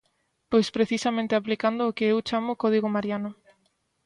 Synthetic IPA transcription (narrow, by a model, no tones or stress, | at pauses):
pojspɾeθisamẽnt̪ɪaplikand̪ʊːkɪewt͡ʃamʊkɔð̞iɣʊmaɾjanʊ